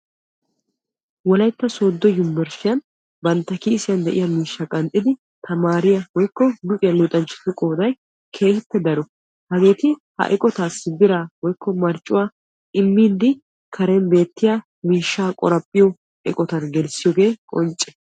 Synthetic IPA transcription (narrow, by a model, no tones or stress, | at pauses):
wɔlɐjt̪ːɐso̞ːd̪ːɔjʊmːɛɾʃɪjɐn | bɐnt̪ːɐkiːsɪjɐnd̪ɛʔɪjɐmiːʃːɐkʼɐnt̪ʼːɪd̪ɪ | t̪ʰɐmaːɾɪjɐwɔjkːɔlʊpʼɪjɐnluːt̪ʼɐnt͡ʃʼːɪ̥t̪ːʊkʼoːd̪ɐj | kʰe̞ːhɪpːɛd̪ɐɾɔ | hɐɡe̞ːt̪ɪhɐ̰ʔɛkʼɔt̪aːsːɪbɪɾaːwɔjkːɔmɐɾt͡ʃʼːʊwaː | ʔɪmːiːd̪ɪ | kʰɐɾɛnbe̞ːt̪ːɪjaː | miːʃːaːkʼɔ̰ɾɐpʼːɪjɔ | ɛ̰kʼɔt̪ɐnɡɛlsɪjɔːɡe̞ːkʼɔnt͡ʃʼːɛ̥